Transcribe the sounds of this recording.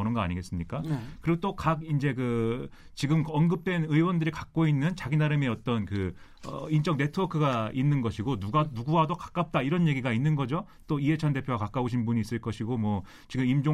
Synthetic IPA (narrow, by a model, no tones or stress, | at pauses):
ʌnɯnɡʌa̰ɲiɡe̞s͈ɯmɲik͈akɯɾiɡot͈okak̚ind͡ʑe̞kɯt͡ɕiɡɯmʌnɡɯp̚t͈we̞nɯiwʌndɯɾikak̚k͈oinːɯnt͡ɕaɡinaɾɯmeʌt͈ʌnkɯʌ̰int͡ɕ͈ʌŋne̞tʰɯʌkʰɯɡainːɯnɡʌɕʰiɡonuɡanuɡuwadokḁk͈ap̚t͈aiɾʌnje̞ɡiɡainːɯnɡʌd͡ʑo | t͈oie̞t͡ɕʰʌnde̞pʰjowakak͈auɕʰinbuɲiːs͈ɯɭk͈ʌɕʰiɡomwʌ | t͡ɕiɡɯmimd͡ʑo